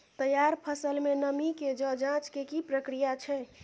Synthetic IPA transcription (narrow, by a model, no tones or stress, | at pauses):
t̪əjaɾpʰəsəlmenəmiked͡ʒə̃d͡ʒãt͡ʃkekipɾəkɾijat͡ʃʰɛ